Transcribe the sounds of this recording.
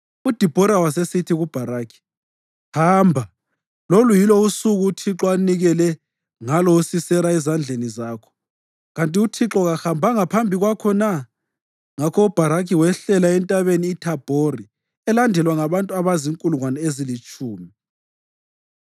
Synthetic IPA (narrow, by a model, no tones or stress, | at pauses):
ud̥ʱib̥ʱɔɾawas̬esitʰiɣub̥ʱaɾaːkʰi̥ | haːmbʱa | lolujilɔusuɣuːtʰiǁɔaniɣɛlɛ | ŋalɔusisɛɾaɛzand͡ɮʱenizaːkʰɔ̥ | ɣantʼiutʰiǁɔɣahambʱaŋapʰambʱiɣwakʰɔna | ŋakʰɔub̥ʱaɾakʰiwɛɬɛlaɛntʼaβeniːtʰab̥ʱori | ɛlandʱɛlwaŋaβantʼuaβaziŋkʼuluŋwanɛezilit͡ʃʼuːmi